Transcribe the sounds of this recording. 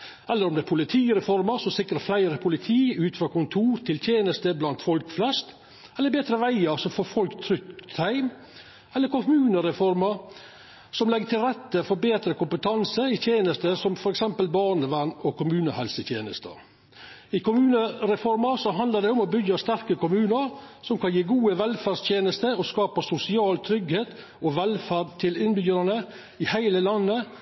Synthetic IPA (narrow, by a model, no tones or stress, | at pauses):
ɛlːəɾɔmd̪ɛæpʰʊlɪt̪ʰiːɾɛfɔɾmɑsɔsɪkːɾəflæɪɾəpʰʊlɪt̪ʰiːʉːt̪fɾɑːkʊnt̪ʰuːɾt̪ʰɪlt̪ʰjeːnəst̪əblɑnt̪fɔlkflɛst̪ | ɛlːəɾbeːt̪ɾəʋæɪɑsɔfɔfɔlkt̪ʰɾʏkt̪ʰæɪm | ɛlːəɾkʊmʉːnəɾɛfɔɾmɑ | sɔmlɛɡət̪ʰɪlɾɛt̪ːəfɔɾbeːt̪ɾəkʊmpət̪ʰɑnsəɪt̪ʰjeːnəst̪əsɔmfɔɾɛksɛmpəlbɑːɳəʋæɳɔkʊmʉːnəhɛlsət̪jḛːnəst̪ə̰ | ɪkʰʊmʉːnəɾɛfɔɾmɑsɔɦɑnd̪əɖ̪ɛʊmɔbʏɡɑst̪æɾkəkʊmʉːnəɾsɔmkʰɑnjiːɡuːəʋɛlfæst̪ʰjeːnəst̪əɔskɑːpəsʊsɪɑːlt̪ʰɾʏɡheːt̪ | ɔʋɛlfæɖt̪ʰɪlɪnbyːɾɑnə | ɪhæɪləlɑnːə